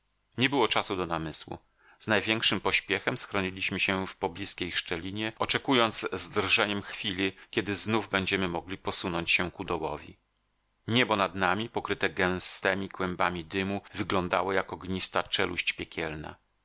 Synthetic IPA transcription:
ɲɛbɘwɔt͡ʂasud̪ɔnamɘswṵ | z̥najvʲjɛŋkʂɘmpɔɕpʲjɛxɛmsxɾɔɲilʲiɕmɘɕɛfpɔblʲiskʲejʂt͡ʂɛlʲiɲɛɔt͡ʂɛkujɔnd̪zzd̪rʐɛɲɛmxfʲilɘkʲɛd̪ɘznuvbɛɲd͡ʑɛmɘmɔɡlʲipɔsunɔɲt͡ɕɕɛkud̪ɔwɔ̰vʲḭ | ɲɛbɔnad̪namʲipɔkɾɘt̪ɛɡɛ̃w̃st̪ɛmʲikwɛmbamʲid̪ɘmuvɘɡlɔnd̪a̰wɔjakɔɡɲist̪at͡ʂɛ̰lʔṵɕt͡ɕpʲjɛkʲʰɛlna̰

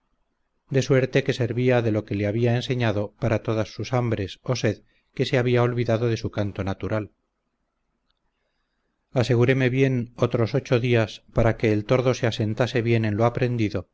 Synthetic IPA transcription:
d̪e̞swe̞ɾt̪e̞ke̞se̞ɾβiaðe̞lo̞ke̞leaβ̞iaense̞ɲaðo̞paɾat̪o̞ðasːusambɾe̞so̞se̞ð | ke̞se̞aβiao̞lβiðaðo̞ðe̞sukant̪o̞nat̪uɾal | ase̞ɣuɾe̞me̞βje̞no̞t̪ɾo̞so̞t͡ʃo̞ðiaspaɾake̞ːlt̪o̞ɾðo̞se̞ase̞nt̪ase̞βje̞ne̞nloapɾe̞nd̪iðo̞

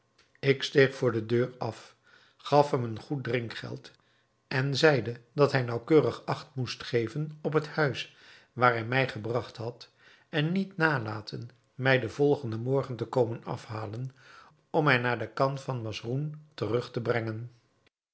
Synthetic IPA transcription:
ɪkstejχfʊːɹdədøːrɑf | χɑfɦɛmənχut̚drɪŋkχɛ̰lˠt | ɛnzɛjdədɑtɦɛjnɑwkøːrəχɑχtmustχejvənɔp̬ɦəthœɥs | ʋaːɹɦɛjmɛjχəbrɑχtɦɑt | ɛnːitnaːlaːtʰən | mɛjdəvɔlˠχəndəmɔɹχəntəkowmənɑ̰fɦaːlən | ɔmɛjnaːɹdəkɑntfɑnmɑsruntərɵχtəbrɛŋən

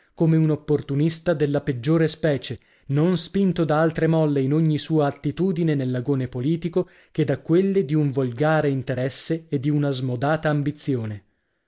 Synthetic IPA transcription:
komeunopːort̪unist̪ad̪elːaped͡ʒːoːɾespɛːt͡ʃe | nonspint̪od̪aalt̪ɾemɔlːeinoɲːisuːaːt̪ːit̪uːd̪inenelːaɡoːnepoliːt̪iko | ked̪akːwelːed̪iuɱvolɡaːɾeint̪eɾɛsːeːd̪ːiunazmod̪aːt̪aːmbit̪sːjoːne

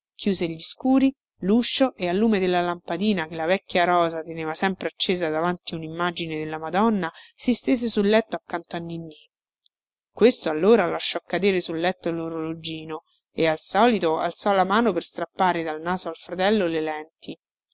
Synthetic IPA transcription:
k̟ʰjuːzeʎːiskuːɾi | luʃːoʔealːuːmed̪elːalampad̪iːnakelavɛkːjaɾɔːzat̪eneːvasɛmpɾeat͡ʃːeːzad̪avant̪iunimːaːd͡ʒined̪elːamad̪ɔnːasist̪eːzesulːɛt̪ːoakːant̪oanːinːi | kwest̪oalːoːɾalaʃːɔkːad̪eːɾesulːɛt̪ːoloɾolod͡ʒiːno | ealsɔːlit̪oa̰lt̪sɔlamaːnoperst̪ɾapːaːɾed̪alnaːzoalfɾat̪ɛlːolelɛnt̪i

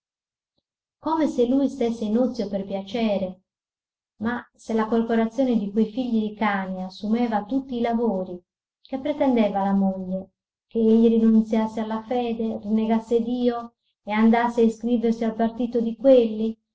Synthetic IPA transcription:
komeselːujst̪esːeinut̪sːjoperpjat͡ʃɛːɾe | maselakorpoɾat̪sːjɔːned̪ikwejfiʎːid̪ikaːneasːumɛːvat̪ut̪ːiːlavoːɾi | kepːɾɛt̪ɛnd̪ɛːvalamoʎːe | keeʎːirinunt̪sjasːealːafɛːd̪erinːeɡasːed̪iːo | eand̪asːeaiskɾiːversialpart̪iːt̪od̪ikwelːi

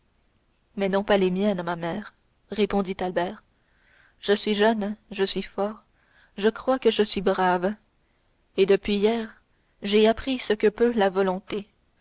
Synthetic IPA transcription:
mɛnɔ̃palemjɛnmamɛːʁ | ʁepɔ̃d̪it̪albɛːʁ | ʒ̥əsɥiʒœnʒəsɥifɔːʁ | ʒəkχwakəʒəsɥibʁav | ed̪əpɥijɛːʁ | ʒeapχisəkəpølavɔlɔ̃t̪e

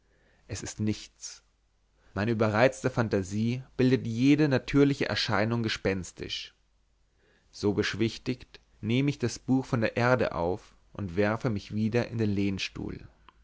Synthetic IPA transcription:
ʔɛsɪstnɪçt͡s | maɪnəʔyːbɐʁaɪt͡stəfantaziːb̥ɪldətjeːdənatʰyːɐlɪçəʔɛ̰ɐʃaɪnʊŋɡəʃpɛnstʰɪ̰ʃ | z̥oːbəʃv̥ɪçtɪçt | neːməɪçd̥asb̥uːxfɔndeːɐʔeːɐdə̰ʔa̰ʊf | ʔʊntv̥ɛɐfəmɪçv̥iːdɐʔɪ̰ndeːnleːnʃtṵːl

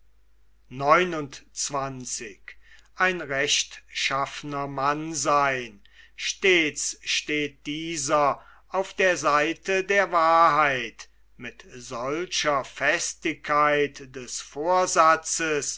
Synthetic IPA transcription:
nɔʏnʊntt͡sv̥ant͡sɪkʔaɪnʁɛʃtʃafənɐmanzaɪn | ʃteːsʃteːt̚d̥iːzɐ | aʊfd̥eːɐzaɪtədeːɐvaːɐɦaɪt | mɪtz̥ɔlʃɐfɛstɪkʰːaɪtd̥ɛsfoːɐzat͡səs

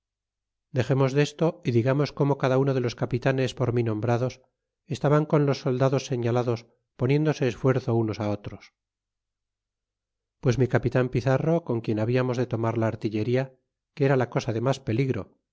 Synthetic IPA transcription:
d̪e̞xe̞mo̞zðe̞st̪o̞iðiɣamo̞sko̞mo̞kaðauno̞ð̞e̞lo̞skapit̪ane̞spo̞ɾminõ̞mbɾaðo̞s | e̞st̪aβaŋko̞nlo̞sːo̞ld̪aðosːe̞ɲalaðo̞s | po̞njẽ̞nd̪o̞se̞ːsfwe̞ɾθouno̞sao̞t̪ɾo̞s | pwe̞zmikapit̪ampiθaro̞ko̞ŋkje̞naβiamo̞zðe̞t̪o̞maɾlaːɾt̪iʎe̞ɾia | keɾalako̞saðe̞maspe̞liɣɾo̞̰

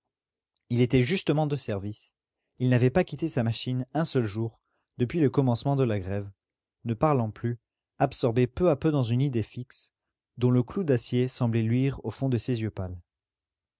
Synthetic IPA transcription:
ilet̪ɛʒyst̪əmɑ̃d̪əsɛʁvis | ilnavɛpakʲit̪esamaʃinɛ̃sœlʒuʁ | d̪əpɥiləkɔmɑ̃smɑ̃d̪əlaɡʁɛv | nəpaʁlɑ̃ply | apsɔʁbepøapød̪ɑ̃zynid̪efiks | d̪ɔ̃ləklud̪asjesɑ̃blɛlɥiʁofɔ̃d̪əsezjøpal

